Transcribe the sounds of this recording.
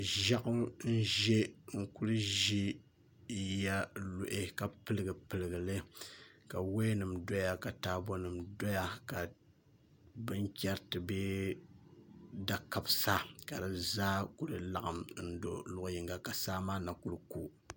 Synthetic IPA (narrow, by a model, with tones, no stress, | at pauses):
ʒa˦ʔʊ˦mn̩˦ʒe˦ŋ̩˦ku˦ɾɨ˦ʒi˦ | ja˦lʊ˨ʔe˦ka˨pɨ˦lɨ˦ɡɨ˨pɨ˨lɨ˨ɡɨ˨lɨ˦ka˨we˦nɨ˨mdo˦ja˦˨ka˨taː˨bo˦nɨ˨mdo˦ja˦ka˨ | bɨ˦ŋkʲɛ˦ɾtɨ˨bɛ˦ | da˨ka˨bsa˦ka˨dɨ˨zaː˦ku˦ɾɨ˨la˨ʔa˨mn̩˦do̰˨lʊ˦ʔji˨ŋɡa˨ka˨saː˦maː˦na˨ku˦ɾku˦